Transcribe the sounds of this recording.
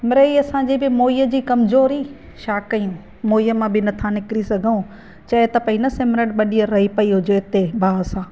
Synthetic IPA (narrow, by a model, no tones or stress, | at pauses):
mɾeiɐsãd͡ʑibɪmoːijəd͡ʑiːkɐmzoːɾi | ʃaːkɐjũ | moːijəmãbɪnɐt̪ʰãnɪkɪɾisɐɡʱũ | t͡ɕɐɦɪt̪ɐpɐinɐsemɾəʈ̚ɓɐɗiəɾɐɦipɐiɦʊd͡ʑoɪt̪ebʱaːsãː